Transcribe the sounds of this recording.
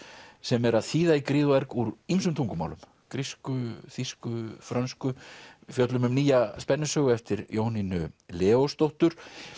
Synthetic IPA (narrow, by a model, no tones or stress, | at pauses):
sɛmɛɾaðθiːðaikɾiːðʊɛɾkuɾimsʏmt̪ʰuŋkʏma̰wlʏm | kɾiskʏθiskʏfɾanskʏfjœt̪lʏmʏmniːjaspɛnːʏsœːɣʏɛft̪ɪɾjʔoːwninʏlɛːost̪owht̪ʏɾ̥